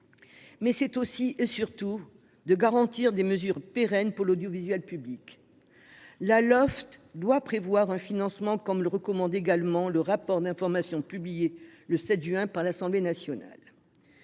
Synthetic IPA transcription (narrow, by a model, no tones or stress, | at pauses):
mɛsɛt̪osiʔesyʁt̪u | d̪əɡaʁɑ̃t̪iʁd̪eməzyʁpeʁɛnpuʁlod̪jɔvizɥɛlpyblik | lalɔft̪d̪wapχevwaʁɛ̃finɑ̃smɑ̃kɔmləʁəkɔmɑ̃d̪eɡalmɑ̃ləʁapɔʁd̪ɛ̃fɔʁmasjɔ̃pyblijeləsɛt̪ʒɥɛ̃paʁlasɑ̃blenasjɔna̰l